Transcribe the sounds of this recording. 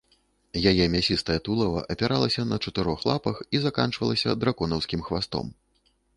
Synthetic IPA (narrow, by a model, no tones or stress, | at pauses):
jajɛmʲasʲist̪ɐjɐt̪ulˠɐvɐ̰ʔɐpʲaɾalˠɐsʲɐnɐt͡ʂɐt̪ɨɾɔxlˠapɐxizakant͡ʂvɐlˠɐsʲɐ̰d̪ɾakɔnɐwskʲimxvast̪ɔ̰m